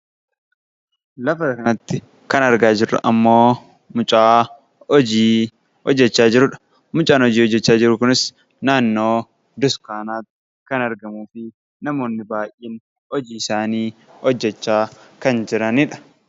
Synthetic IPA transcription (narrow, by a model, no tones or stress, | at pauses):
lɐfɐt̪ɐkɐnɐt̪ːɪ | kɐnɐɾɡaːd͡ʒɪrːɐ̰ʔɐmːo̞ː | mʊt͡ʃʼaː | ɔd͡ʒiː | hɔd͡ʒːɛt͡ʃːaːd͡ʒɪɾʊᶑɐ̥ | mʊt͡ʃʼaːnɔd͡ʒiːhɔd͡ʒːɛt͡ʃːaːd͡ʒɪɾʊkʊnɪs | naːnːo̞ː | d̪ʊskaːnaːt̪ːɪ | kɐnɐɾɡɐmuːfɪ | nɐmo̞ːnːɪbaːʔiːn | ɔd͡ʒiːɪsaːniːhɔd͡ʒːɛt͡ʃːaːkɐnd͡ʒɪɾɐnɪᶑɐ̥